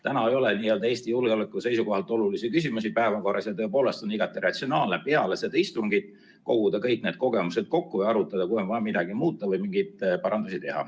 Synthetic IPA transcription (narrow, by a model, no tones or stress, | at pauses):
t̪ænɑejo̞leniːjeld̪̥ɑeːsʲt̪ijulɡeolekːˑuse̞jsuko̞ɦɑlt̪ːˑo̞lulisikys̬ʲimusipæe̞vɑko̞rɑsjɑt̪ɤ̞epo̞ːle̞st̪o̞niɡ̥ɑt̪ːˑirɑt̪sio̞nɑːlnepeɑlesed̪ɑist̪uŋɡit̪ | ko̞̰ɡ̥ud̪̥ɑkɤjkne̞ːd̪̥ko̞ɡ̥e̞mused̪̥ko̞kːuɤjɑɾut̪ːˑɑd̪ɑkujo̞nvɑjɑmid̪ɑɡ̥imuːt̪ˑːɑvɤjmiŋɡid̪pɑɾɑnd̪usit̪e̞ɦɑ̰